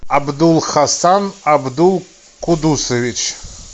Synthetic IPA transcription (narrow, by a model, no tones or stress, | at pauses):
abd̪ulˠχasanabd̪ulˠ | qʰʊd̪usevit͡ʃʰ